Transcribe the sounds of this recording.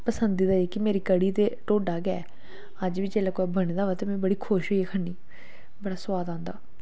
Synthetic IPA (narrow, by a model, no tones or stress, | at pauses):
pəsənd̪iːd̪aːeːkɪmeːɾiːkəɽiːt̪eːʈoːɖaːɡɪɛ̰ː | əd͡ʒʋiːt͡ʃeːlaːkoːɛbəɽ̃ẽːd̪aːʋaːt̪eːmɛ̃bəɽiːkʰʊʃɦoːiɛːkʰəɳːiː | bəɽaːsʊwaːd̪ãːnd̪a̰ː